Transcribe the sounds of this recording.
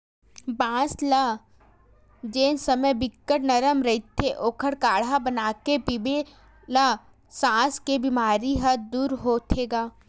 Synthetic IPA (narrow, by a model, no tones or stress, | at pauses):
bãːsla | d͡ʒeːnsəməjbɪkːəɽnɐɾəmɾɐɦit̪ʰːeʔoːkʰəɽkaːɽabənaːkepibe | la | sãːskebimaːɾiɦəd̪uːɾɦoːt̪ʰeːɡaː